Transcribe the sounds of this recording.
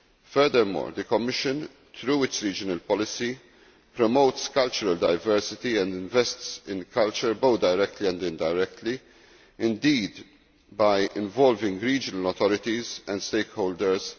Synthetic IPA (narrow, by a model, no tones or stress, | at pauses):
fɛɾd̪əɾmɔ̰ːɾd̪əkɔmːɪʃə̃n | t̪ɾuːɪtsɾiːd͡ʒənəlpɔlɪsi | pɾɔmoʊt̪skɐlt͡ʃʊɾɐld̪ɐjvɛɾsɪt̪iɛ̃nd̪ɪ̃ɱvɛst̪sɪ̃nkʰɐlt͡ʃəɾboʊt̪̚d̪ɐjɾɛk̚t̪liɛ̃nd̪ɪ̃nd̪ɐjɾɛk̚t̪li | ɪ̃nd̪iːd̪ | bɐjɪ̃ɱvɔlvɪ̃ŋɡɾiːd͡ʒənəlɔt̪ɔɾɪt̪izɛ̃nd̪st̪eɪkhoːld̪əɾz